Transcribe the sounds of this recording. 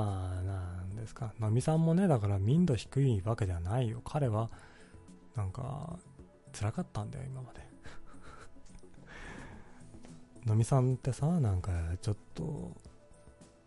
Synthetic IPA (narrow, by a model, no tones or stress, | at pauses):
anand̪e̞sɨ̥kano̞mʲisãmːo̞ne̞d̪akaɾamʲĩnd̪o̞çi̥kɯ̟iβaked̪eanaijo̞kʰaɾe̞βa | nãŋka̰ | t͡sɨɾakat̪ːãnd̪a̰jo̰imamad̪̥e | no̞mʲisãnt̪ːe̞sanãŋkat͡ɕo̞t̪ʰːo̞̰